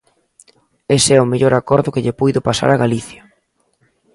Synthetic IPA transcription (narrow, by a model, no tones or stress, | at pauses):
esɛʊmeʎoɾakɔɾðʊkɪʎepujðʊpasa̰ɾaɣaliθjɐ